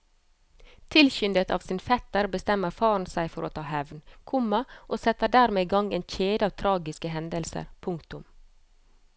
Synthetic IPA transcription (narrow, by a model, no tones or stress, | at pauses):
t̪ʰɪlçʏnd̪ət̪ʰɑ̰ːʋsɪːnfɛt̪əɾbəst̪ɛməɾfɑːn̩sæɪfɔɾʔo̰ːt̪ʰɑːhɛʋnkʰʊmɑʔoːsɛt̪əɖæːɾmeːɡɑŋeːnc͡çeːd̪əɑːʋt̪ʰɾɑːɡɪskəɦɛnd̪əlsə̰ɾpʰʊŋkt̪ʊm